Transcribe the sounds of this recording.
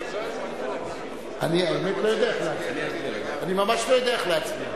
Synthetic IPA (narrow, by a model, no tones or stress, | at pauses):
aniabemet̪lo̞jo̞d̪eaeχleat͡smianimamaʃlo̞jod̪eaeχleat͡smi